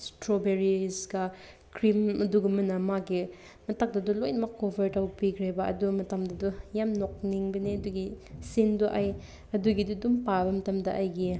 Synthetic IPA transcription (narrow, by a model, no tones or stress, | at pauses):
stɾobeɾisɡɐ | kɾimɐduɡɐmɐnɐmaɡi | mɐtʰak̚dɐdulojnɐmɐkːobʱɐɾtawpikʰɾebɐɐ̰dumɐtɐmdɐdujamnok̚niŋbɐniɐduɡisinduʔaj | ɐduɡidudumpabɐmɐtɐmdɐʔajɡi